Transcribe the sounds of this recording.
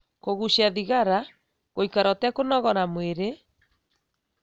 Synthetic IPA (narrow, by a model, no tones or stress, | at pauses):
koɣuɕaðiɣaɾa | ɣoikaɾɔtɛkonɔɣɔɾamweɾe